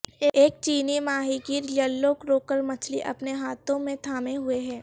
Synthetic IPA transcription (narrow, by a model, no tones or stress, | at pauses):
eːk̚t͡ʃiːnimaːɦikiɾlɐlːokɾoːkəɾmɐt͡ʃʰlḭʔɐ̰pneɦaːt̪õmẽt̪ʰaːmeɦʊeɦɛː